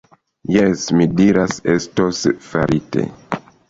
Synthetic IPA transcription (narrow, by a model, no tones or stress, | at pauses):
jesmidiɾasestosfaɾʔite̞̰